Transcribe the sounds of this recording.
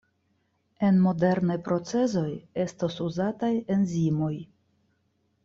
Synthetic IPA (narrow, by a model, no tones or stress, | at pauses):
e̞nmo̞de̞ɾnajpɾo̞t͡se̞zo̞je̞stosuzataje̞nzimoj